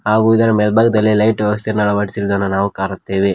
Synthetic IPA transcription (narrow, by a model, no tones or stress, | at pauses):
haːɡuid̪ɐɾɐmeːlbaːɡ̚d̪ɐlːilɐjʈosɐɾnɐɭɐʋɐʈisiɾd̪ɐnːunaːʋukaːɾut̪ːeːʋe